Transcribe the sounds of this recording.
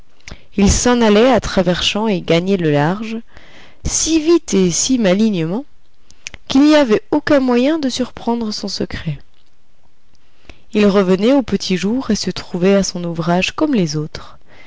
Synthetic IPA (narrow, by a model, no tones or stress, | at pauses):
ilsɑ̃nalɛat̪χavɛʁsɑ̃eɡaɲɛləlaʁʒ | sivit̪esimaliɲəmɑ̃ | kilniavɛokʲɛ̃mwajɛ̃d̪əsyʁpχɑ̃d̪ʁəsɔ̃səkχɛ | ilʁəvənɛopət̪ʰiʒuʁesət̪χuvɛasɔ̃nuvʁaʒkɔmlezot̪χ